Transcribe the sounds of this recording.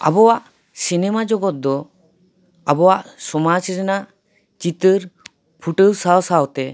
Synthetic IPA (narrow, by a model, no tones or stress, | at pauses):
a̰bɔwaʔ | sinɛmad͡ʒɔɡɔt̪̚d̪ɔ | abɔwaʔsɔmad͡ʒɾɛnaʔ | t͡ʃit̪əɾ | pʰuʈəwsawsawt̪ɛ